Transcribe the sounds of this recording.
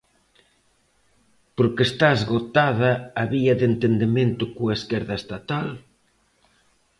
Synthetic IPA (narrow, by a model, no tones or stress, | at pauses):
poɾkest̪azɣot̪aðɐːβiɐðent̪end̪emẽnt̪ʊkoaeskɛɾðɐest̪at̪al